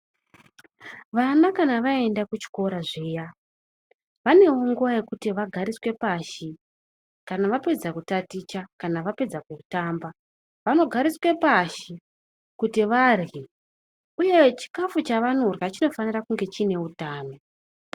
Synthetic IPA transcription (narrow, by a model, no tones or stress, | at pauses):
ʋanakanaʋae̞ndakut͡ʃi̥ko̞ɾaʐeːja | ʋane̞wo̞ŋɡuʋaje̞kutiʋaɡʱaɾiswe̞paːʃi | kanaʋape̞d͡zakutatit͡ʃakanaʋape̞d͡zakutaːmba | ʋano̞ɡʱaɾiswe̞paʃi | kutiʋarɣi | uje̞t͡ʃi̥kafut͡ʃaʋano̞rwat͡ʃino̞fanirakuŋɡe̞t͡ʃine̞utaːno̞